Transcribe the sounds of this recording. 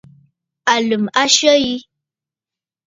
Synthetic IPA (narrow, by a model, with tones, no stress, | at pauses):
a˨lɨ˨ma˦ʃə˦ji˦